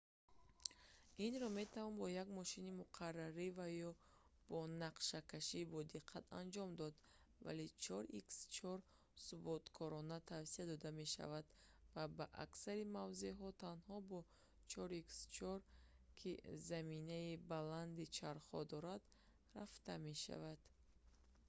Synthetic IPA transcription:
inɾɔme̞t̪ʰavɔnbɔjaɡmɔʃinimuqʰarːaɾivajɔ | b̥ɔnaqʃakaʃibɔd̪iqʰːat̪a̰nd͡ʒɔmd̪ɔd̪ | va̰let͡ʃʰɔɾikst͡ʃʰɔɾ | subɔt̪kʰɔɾɔnat̪ʰavsiad̪ɔd̪ame̞ʃa̰vad̪vabaʔa̰ksaɾimavzeɦɔt̪ʰanhɔbɔ | t͡ʃʰɔɾikst͡ʃʰɔɾ | kʰizaminaibaland̪it͡ʃʰaɾχɔd̪ɔɾad̪ | raft̪ame̞ʃa̰vad̪̥

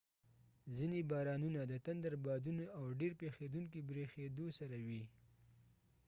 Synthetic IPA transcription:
zinebɑɾɑnunad̪ət̪and̪aɾbɑd̪unoawɖeɾpexed̪uŋkibɾexed̪osaɾawi

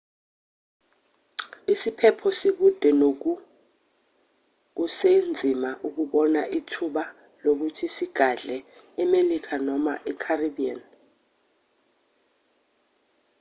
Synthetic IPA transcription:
isipʰɛpʰɔsiɓud̥ʱɛnok̬u | k̬usend͡zʱimaʔuk̬uɓɔnaʔitʰuɓa | lok̬utʰisiɡ̥ʱaɮɛɛmelik̬ʰanɔma̰ʔɛkʰariɓia̰n

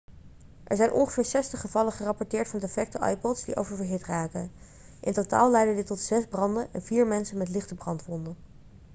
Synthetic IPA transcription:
ʔɛ̰ɹzɛjnʔɔ̰nχəvɪːɹsɛstəχəvɑləχərɑpɔɹtɪːɹtfɑndɛfɛk̚təʔɑ̰jpɔtsdḭʔo̰wvəɹvəɹɦɪtraːtə | ʔɪntota̰ːlˠlɛjdədɪtɔtsɛzbrɑndəʔɛ̰nviːɹmɛnsənmɛtlɪχtəbrɑntʋɔndə

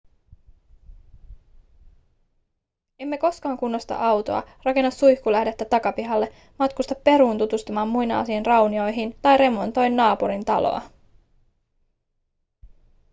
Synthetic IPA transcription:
e̞mːe̞ko̞skɑːŋkunːost̪ɑ̰ʔɑwt̪o̞̰ɑ̰rɑke̞nːɑsːujhkulæhdet̪ːæt̪ɑkɑpiɦɑlːe̞ | mɑt̪kust̪ɑpːe̞ɾuːnt̪ut̪ust̪ɑmɑːmːujnɑ̰ːsiːnrɑwnio̞jɦint̪ɑjɾe̞mo̞nt̪o̞jnːɑːpuɾint̪ɑ̰lo̰ɑ̰

